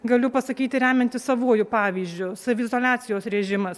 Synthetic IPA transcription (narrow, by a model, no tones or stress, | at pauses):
ɡɐlʲʊpɐsɐkʲiːt̪ʲɪɾʲæːmʲɛnt̪ʲɪssɐʋuɔjʊpɑːʋʲiːzʲd͡ʒʲʊsɐʋʲɪzoːlʲæːt̪sʲɪjoːsɾʲɛʒʲɪmɐs